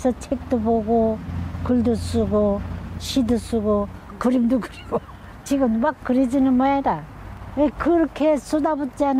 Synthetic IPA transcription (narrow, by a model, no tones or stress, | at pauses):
sʰʌt͡ɕʰek̚t̪͈oboɡokɯɭdusuɡoɕʰidɯsuɡo | kɯɾimdukɯɾiɡo | t͡ɕiɡɯmmakːɯɾid͡ʑinɯnmojada | ekɯɾʌkʰesudabut͡ɕ͈ian